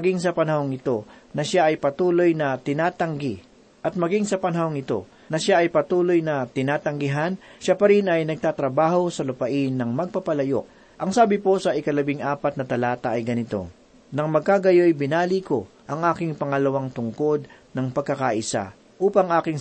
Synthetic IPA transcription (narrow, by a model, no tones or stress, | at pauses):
ɡiŋsɐpɐnɐhoŋɪt̪o̞nɐʃaʔɐjpɐt̪uːlo̞jnɐt̪ɪnaːt̪ɐŋɡi | ʔɐt̪̚mɐɡiŋsɐpɐnɐhoŋɪt̪o̞̰ | nɐʃaɐjpɐt̪uːlo̞jnɐt̪ɪnaːt̪ɐŋɡɪɦanʃapɐɾinɐjnɐɡ̚t̪aːt̪ɾɐbaːho̞sɐlʊpɐʔɪnːɐŋmɐɡ̚pɐpɐlɐjo̰ʔ̚ | ʔɐŋsaːbɪpo̞sɐʔɪkɐlɐbɪŋʔaːpɐt̪̚nɐt̪ɐlaːt̪ɐʔɐjɡɐnɪt̪o̞̰ | nɐŋmɐɡ̚kaɡɐjojbɪnaːliko̞ | ʔɐŋʔaːkɪŋpɐŋɐlɐwaŋt̪ʊŋko̞d̪̚ | nɐŋpɐɡ̚kɐkaʔɪsa̰ | ʔuːpɐŋʔaːkɪŋ